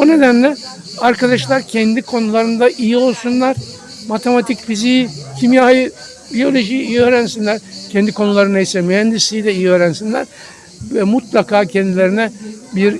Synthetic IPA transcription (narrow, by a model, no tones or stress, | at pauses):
bune̞d̪ænlʲɛ | aɾkad̪aʃlˠaɾcʰɛnd̪ikʰo̞nulˠaɾɯnd̪aʔijio̞lˠsunlˠaɾ̥ | mat̪ʰe̞mat̪ʰicfizijcʰimjaːjɯ | bio̞lʲo̞ʒijijiø̞ːɾænsinlʲæɾcʰɛnd̪ikʰo̞nulˠaɾɯnajisɛmyhɛnd̪ist̪ijd̪ɛijiøːɾænsinlʲæ̰ɾ | vɛmut̪lˠakaːcʰɛnd̪ilʲe̞ɾinɛbiɾ